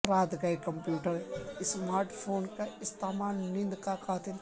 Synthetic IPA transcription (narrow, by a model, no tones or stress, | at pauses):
ɾaːd̪ɡajkɐmpjuːʈəɾɪsmaːɾʈpʰoːnkaɪst̪aːmaːnmĩnd̪kakʰaːt̪ʰɪl